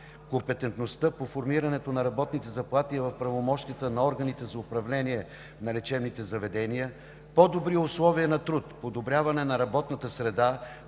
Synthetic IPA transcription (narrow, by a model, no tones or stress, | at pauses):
kompɛt̪ɛnt̪nost̪əpofoɾmiɾɐnɛt̪onɐɾɐbɔt̪nit̪ɛzɐplˠat̪iəvɐfpɾɐvomɔʃt̪iət̪ənɐɔɾɡənit̪ɛzɐʊpɾɐvlɛniɛ | nɐlɛt͡ʃɛbnit̪ɛzɐvɛd̪ɛniə | pɔd̪obɾiəʊslˠɔviənɐt̪ɾut̪pod̪obɾʲjavɐnɛnɐɾɐbɔt̪nət̪əsɾɛd̪a